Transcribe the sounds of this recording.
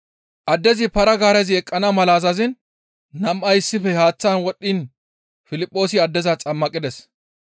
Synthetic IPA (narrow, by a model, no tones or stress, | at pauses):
ʔɐd̪ːɛzɪpɐɾɐɡaːɾɛzɪɛkʼːɐnɐmɐlaːzɐzɪnː | ɐmʔɐjɪsːɪfɛhaːt͡sːanwɔɗːin | fɪlɪpʼːo̞ːsɪɐd̪ːɛzat͡sʼɐmːɐkʼːɪd̪ɛs